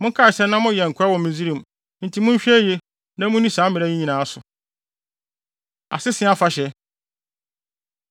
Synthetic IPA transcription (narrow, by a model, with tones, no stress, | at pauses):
mʊ̃˦ŋ˦kʰa˦˨sɛ˦nã˦mʊ̃˦jɛ˨ŋ̩˨kʰʊ˦a˦wɔ˨mĩ˨d͡zi˦ɾĩ˨m | n̩˨tʰi˨˦mʊ̃˦ɲ˦ɕᶣɛ˦je˦ | nã˦mʊ̃˦nĩ˦sãː˨˦mɪ̃˨ɾɛ˦ĩ˦ɲĩ˨nãː˨˦sʊ˨ | a̰˨sɪ˦sɪ̃˨˦a˦fa˨ɕɛ˨